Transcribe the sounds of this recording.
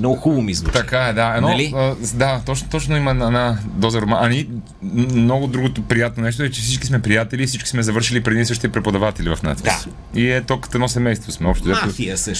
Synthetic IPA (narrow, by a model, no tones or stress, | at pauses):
nɔɡʊxubomizvut̪ɐkaɛd̪aɛnɔlid̪at̪ɔt͡ʃnt̪ɔt͡ʃnoimɐnɛnad̪ɔzɐɾomaʔɐni | noɡod̪ɾuɡot̪opɾijat̪̚nonɛʃ̬t̪oɛt͡ʃɛfsit͡ʃki̥smɛpɾijat̪ɛliːfsit͡ʃki̥smɛzɐvɤɾʃilipɾɛd̪iɛsɤʃt̪ɛpɾɛpod̪ɐvat̪ɛlivɐfna̰t̪ḭ | iɛt̪okə̥t̪ɛd̪nɔsɛmɛjst̪vosmɛɔpʃt̪ozat̪fiəsəʃ